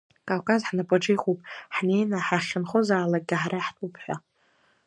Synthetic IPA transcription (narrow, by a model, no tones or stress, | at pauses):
kʼavkʼazħnapʼaʈ͡ʂijχupʼħne̞jnaħaχʲɪnχozaːlak̚ʼɡʲɪħɾaħtʼupʰħʷa̰